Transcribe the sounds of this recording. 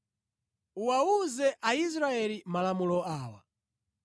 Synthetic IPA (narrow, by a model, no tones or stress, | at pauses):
uwauzɛʔais̬ɾaɛlimalamulɔaːwa̰